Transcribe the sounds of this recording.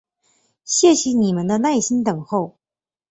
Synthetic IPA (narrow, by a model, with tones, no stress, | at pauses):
ɕjɛ˥˩ɕɛ˧˦ni˨˩mə˦nd̪ə˧na˥˩ɪɕi˥nt̪ɤ˨˩ŋxo˥˩ʊ